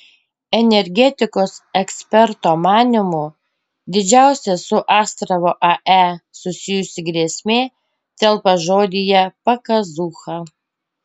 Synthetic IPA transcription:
ɛnʲɛɾʲɡʲɛt̪ʲɪkoːsɛksʲpʲɛɾt̪oːmɑːnʲɪmʊ | d̪ʲɪd͡ʒʲæˑʊsʲɛsʊʔɑːst̪ɾɐʋoːʔɐʔæsʊsʲɪjʊsʲɪɡɾʲeːsʲmʲeː | t̪ʲɛlˠpɐʒoːd̪ʲɪjɛpɐkɐzuːxɐ

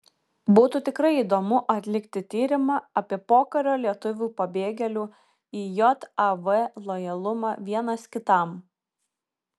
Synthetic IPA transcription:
buːt̪uːt̪ʲɪkɾɐɪiːd̪oːmʊʔɐt̪ʲlʲɪkt̪ʲɪt̪ʲiːɾʲɪmɑːɐpʲiɛpoːkɐɾʲoːlʲiɛt̪ʊʋʲuːpɐbʲeːɡʲɛlʲuː | iːjɔt̪ɐʋɛlˠɔjɛlˠʊmɑːʋʲiɛnɐskʲɪt̪ɐˑm

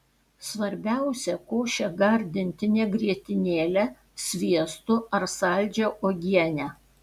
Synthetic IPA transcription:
sʋɐɾʲbʲæˑʊsʲɛkoːʃʲɛɡɐɾʲd̪ʲɪnʲt̪ʲɪnʲeɡɾʲiɛt̪ʲɪnʲeːlʲɛ | sʲʋʲiɛst̪ʊɐɾsɐˑlʲd͡ʒʲoʔoːɡʲiɛnʲæ

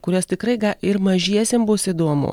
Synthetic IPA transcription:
kʊɾʲost̪ʲɪkɾɐɪɡɐɪɾmɐʒʲiɛsʲembʊsɪd̪uɔmʊ̰

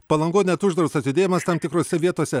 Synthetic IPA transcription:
pɐlˠɐŋɡoːnʲɛt̪ʊʒd̪ɾɐʊsɐt̪ʲɪd̪ʲeːjɛmɐst̪ɐmt̪ʲɪkɾoːsʲɛʋʲiɛt̪oɔsʲɛ

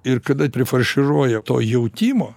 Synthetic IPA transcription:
ɪrkɐd̪ɐpʲɾʲɪfɐrʃʲɪroːjɛt̪o̰ːjɛʊt̪ʲiːmoː

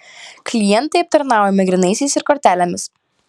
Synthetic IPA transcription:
klʲɪjɛnˑt̪ɐɪɐp̚t̪ɐɾnɑˑʊjomʲɛɡɾʲɪnɐɪsʲɛɪsɪɾkɔɾʲt̪ʲæːlʲɛmʲɪs

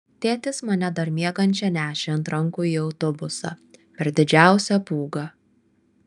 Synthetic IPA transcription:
t̪ʲeːt̪ʲɪsmɐnʲɛd̪ɐɾmʲiɛɡɐnʲt͡ʃʲɛnʲæːʃʲeɐnt̪ɾɐŋkuːiːɒʊt̪ɔbʊsɑ̰pʲɛɾd̪ʲɪd͡ʒʲæˑʊsʲɛpuːɡɐ

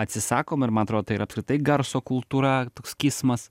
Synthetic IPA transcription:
ɐt̪ʲsʲɪsɑːkoːmɪɾmɐnɐt̪ɾoːd̪oːt̪ɐiːɾɐːpskɾʲɪt̪ɐɪɡɐɾsoːkʊlˠt̪uːɾɐt̪oːkskʲiːsmɐs

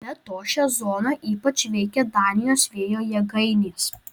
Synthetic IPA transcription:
bʲɛt̪oːʃʲæzoːnɑʔiːpɐt͡ʃʋʲɛɪkʲɛd̪ɑːnʲɪjoːsʋʲeːjoːjɛɡɐɪnʲeːs

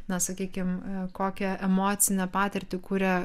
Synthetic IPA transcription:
nɐsɐkʲiːkʲɪmkoːkʲɛʔɛmoːt̪sʲɪnʲɛpɑːt̪ʲɪɾʲt̪ʲɪkuːɾʲɛ

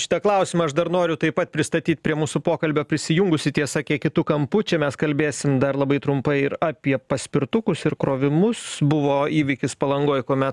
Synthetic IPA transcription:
ʃʲɪ̥t̪ɐklˠɐˑʊsʲɪmɐɐʃd̪ɐɾnoːɾʲʊt̪ɐɪpɐt̪̚pʲɾʲɪst̪ɐt̪ʲiːt̪̚ʲpʲɾʲiɛmuːsʊpoːkɐlʲbʲoːpʲɾʲɪsʲɪjʊŋɡʊsʲɪt̪ʲiɛsɐkʲiɛkʲɪt̪ʊkɐmpʊt͡ʃʲɛmʲɛskɐlʲbʲeːsʲɪmd̪ɐɾlˠɐbɐɪt̪ɾʊmpɐɪɪɾɑːpʲiɛpɐsʲpʲɪɾt̪ʊkʊsɪɾkɾoːʋʲɪmʊsbʊʋoːiːʋʲɪkʲɪspɐlˠɐŋɡoːjkoːmʲɛt̪

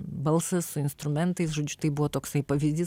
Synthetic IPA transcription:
bɐlˠsɐssʊɪnst̪ɾʊmʲɛnt̪ɐɪsʒoːd͡ʒʲʊt̪ɐɪbʊʋoːt̪oːksɐɪpɐʋʲizʲd̪ʲiːs

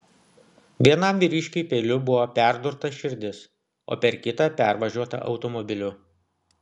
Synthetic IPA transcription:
ʋʲiɛnɐmʋʲiːɾʲiːˑʃʲkʲʊpʲeːlʲʊbʊʋoːpʲæˑɾd̪ʊɾt̪ɐʃʲɪɾʲd̪ʲɪs | o̰ːpʲɛɾkʲɪt̪ɐpʲæˑɾʋɐʒʲuɔt̪ɐ̰ʔɒ̰ʊt̪ɔmɔbʲɪlʲʊ

